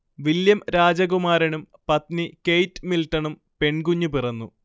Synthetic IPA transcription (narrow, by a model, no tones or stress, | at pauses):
ʋiljɐmɾaːd͡ʑɐɣumaːɾɐɳum | pɐt̪nikejtːɨmilʈːɐɳum | pe̞ɳkuɲːupirɐnːu